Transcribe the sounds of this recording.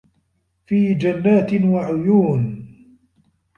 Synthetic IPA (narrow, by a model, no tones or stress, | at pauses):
fiːd͡ʒanːaːt̪ɪnwaʕʊjuːn